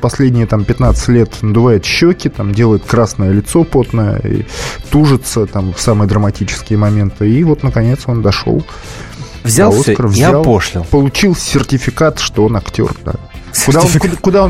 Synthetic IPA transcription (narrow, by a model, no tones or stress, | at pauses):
pɐsʲlʲedʲnʲɪjət̪ampʲɪt̪nat̪sɨ̥tʲlʲe̞t̪nəd̪ʊvajɪt̪ɕːɵkʲɪt̪amdʲe̞lˠəjɪt̪̚kɾasnəjəlʲɪt̪so̞po̞t̪nəjə̰ḭt̪uʐɨt̪sət̪amfsamɨjəd̪ɾəmɐtʲit͡ɕɪ̥skʲɪjəmɐmʲe̞nt̪ɨivo̞t̪nəkɐnʲe̞t̪so̞nd̪ɐʂo̰lˠ | vzʲalˠost̪ɾəvzjʲaalˠpoʂlʲɪlˠpəlˠʊt͡ɕilˠsʲɪrtʲɪfʲɪkat̪ʂt̪o̞onɐktʲo̞̰rd̪a̰ | kʊd̪aonkʊd̪aon